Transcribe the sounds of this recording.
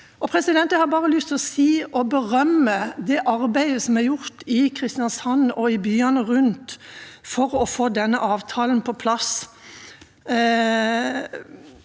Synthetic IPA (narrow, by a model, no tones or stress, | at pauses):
ɔpʰɾɛsɪd̪ɛnt̪əhɑːɾbɑːʁəlʏst̪ɔsiːɔbəʁœmːəd̪ɛʔɑɾbæɪəsɔmæɾjʊɾt̪ɪkʰɾɪst̪ɪɑnsɑnːɔɪbyːɑnəʁʉnt̪fɔɾɔfoːd̪ɛnːəʔɑːʋt̪ʰɑːln̩pʰɔpʰlɑs